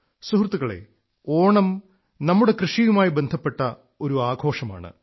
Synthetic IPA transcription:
suhrt̪ːuɣɐɭe̞̰ | o̞ːɳɐm | nɐmːuɽe̞krɨʂijumaːjibe̞nd̪ʱɐpːe̞ʈːɐ | o̞ɾuaːɡʱo̞ːʂɐma̰ːɳɨ̰

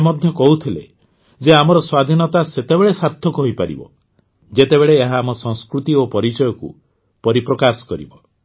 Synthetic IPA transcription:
mɔd̪ʱjɔkɔɦut̪ʰilḛ | d͡ʒeamɔɾɔswad̪ʱinɔt̪aset̪ebeɭesaɾt̪ʰɔkɔɦipaɾḭbɔ̰ | d͡ʒet̪ebeɭeːɦaːmɔsɔŋskɾut̪iopɔɾit͡ʃɔjɔkṵ | pɔɾipɾɔkasɔ̥kɔɾḭbɔ

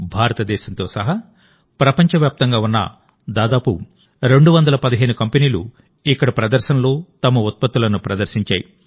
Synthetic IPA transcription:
bʱaːɾɐt̪ɐd̪ɛːʃɐnt̪o̞ːsɐɦɐ | pɾɐpɐɲt͡ʃɐʋjaːp̚t̪ɐŋɡaːunːɐ̰ | d̪aːd̪aːpu | ɾe̞ɳɖuʋɐnd̪ɐlɐpɐd̪ɐɦeːnukɐmpeniːlu | ikːɐɽɐpɾɐd̪ɐɾʃɐnɐlo̞ːt̪ɐmɐut̪̚pɐt̪ːulɐnupɾɐd̪ɐɾsiɲt͡ʃa̰ːji

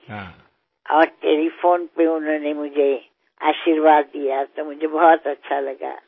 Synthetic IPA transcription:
ɦ | ɔːɾʈeːlipʰoːnpeʊnõnemʊd͡ʒʱe | aːʃiɾʋaːd̪ːijat̪omʊd͡ʒʱebɔɦt̪ɐtːʃʰalɐɡa̰

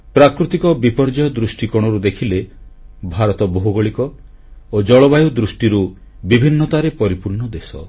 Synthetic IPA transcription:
pɾakɾut̪ikɔbipɔɾd͡ʒajɔd̪ɾusʈikɔɽ̃ɔɾud̪ekʰilebʱaɾɔt̪ɔboɦuɡɔɭikɔ | od͡ʒɔɭɔbajud̪ɾusʈiɾu | bibʱinːɔt̪aɾepɔɾipuɾɳɔd̪esɔ̰

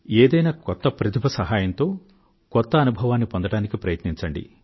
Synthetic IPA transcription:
eːd̪ɐjnaːkɔt̪ːɐpɾɐt̪ʰipʰɐsɐɦaːjɐnt̪o̞ː | kɔt̪ːɐːnubʱɐʋaːnːipond̪ɐɽaːnikipɾɐjɐt̪niɲt͡ʃɐɳɖḭ

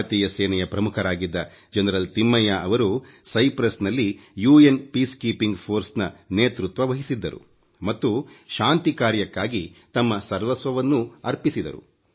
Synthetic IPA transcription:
t̪iːjɐsɛːnɛjɐpɾɐmukʰɐɾaːɡid̪ːɐ | d͡ʒɐnɐɾɐlt̪imːɐjaʔɐʋɐɾusɐjpɾɐsnɐlːijuːenpiːskiːpiŋɡpʰo̞ːɾsnɐneːt̪ɾut̪ʋɐʋɐɦisid̪ːɐɾṵ | mɐt̪ːuʃaːnt̪ikaːɾjɐkːaːɡit̪ɐmːɐsɐɾʋɐsʋɐʋɐnːuɐɾpisid̪ɐ̰ɾṵ

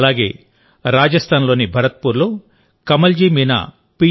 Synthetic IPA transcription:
laːɡe̞̰ː | ɾaːd͡ʒɐst̪ʰaːnlo̞ːnibʱɐɾɐt̪̚puːɾloː | kɐmɐld͡ʒiːmiːna̰ | pi

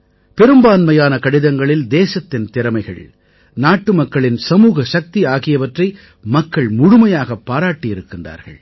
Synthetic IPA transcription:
pɛɾɯmbaːnmɐjaːnɐkɐɽɪðɐŋɡɐɭɪld̪eːsɐt̪ːɪnt̪ɪɾɐmɐɪɣɐ̰ɭ | naːʈːɯmɐkːɐɭɪnsɐmuːɣɐʃɐk̚t̪iaːɣɪjɐʋɐʈrɐɪ | mɐkːɐɭmʊɻʊmɐjaːɣɐpːaːɾaːʈːɪjɪɾɯkːɪnda̰ːɾɣɐ̰ɭ

